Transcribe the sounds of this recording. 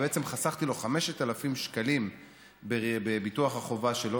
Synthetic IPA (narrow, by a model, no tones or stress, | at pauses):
beet͡semχasaχt̪ilo̞χame̞ʃet̪alafimʃkalim | bebebituaχaχo̞vaʃe̞lo